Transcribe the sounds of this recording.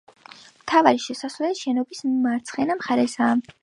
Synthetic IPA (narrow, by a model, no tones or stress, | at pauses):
mt̪ʰavaɾiʃɛsasvlɛiʃɛnɔbismaɾt̪sʰχɛnamχaɾɛsaːm